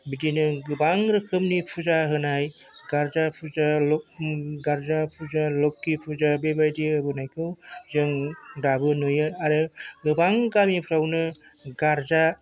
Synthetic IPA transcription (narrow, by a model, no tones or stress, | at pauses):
bidinɯɡɯbaŋɾɯkʰɯmnipʰuzaɦɯnaj | ɡ̥aɾzapʰuzalɔɡaɾzapʰuzalɔkːipʰuzabebajdibɯnajkʰɯwzɯŋdabɯnojɯaɾɯɡɯbaŋɡamipʰɾawnɯ | ɡaɾza